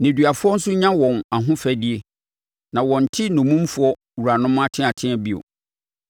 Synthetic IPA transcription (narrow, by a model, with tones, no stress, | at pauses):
nɪ̃˨dɥa˨fʊ˦ɔ˦n̩˦sʊ˦ɲã˦wɔ̃˨na˨ɦʊ̃˦fæ˦di˦e˦ | nã˨wɔ̃˨n̩˨tʰɪ˦nʊ̃˨mũ˦m˦fʊ˦ɔ˦ | wu˨ɾa˨nʊ̃˦ma˦tʰɪ̃˦a˨tʰɪ̃˦ɛ˨bi˦o̰˨